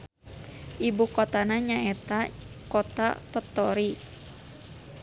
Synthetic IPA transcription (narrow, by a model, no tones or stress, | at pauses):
ʔibukɔt̪anaɲaɛt̪a | kɔt̪a̰t̪ɔt̪ːɔɾi